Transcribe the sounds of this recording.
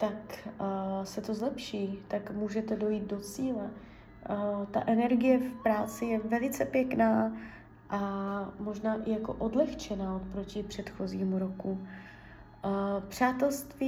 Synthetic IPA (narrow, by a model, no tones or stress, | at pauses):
t̪ak | sɛt̪o̞zlɛpʃiːt̪akmuːʒɛt̪ɛdo̞jiːt̪̚do̞t͡siːlɛ | t̪a̰ʔɛnɛɾɡɪjɛfpɾaːt͡sɪjɛvɛlɪt͡sɛpjɛknaː | ʔamo̞ʒnaːʔɪjako̞̰ʔodlɛxt͡ʃɛnaːot̪̚pɾo̞cɪpr̝̥ɛt̪xo̞ziːmuɾo̞ku | pr̝̥aːt̪ɛlst̪viː